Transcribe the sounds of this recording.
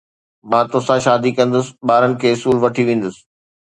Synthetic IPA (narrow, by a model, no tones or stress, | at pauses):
mãːt̪osãʃaːd̪ikɐ̃nd̪əsɪ̥ɓaːɾənɪ̆kʰeːʊsuːlʋɐʈʰiʋẽːn̆d̪əsɪ̥